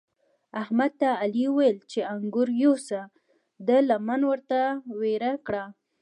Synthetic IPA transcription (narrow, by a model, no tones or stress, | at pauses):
ahmad̪̚t̪aːliwajlt͡ʃeaŋɡʊɾjosa | d̪əlamanwəɾt̪aweɾakɽa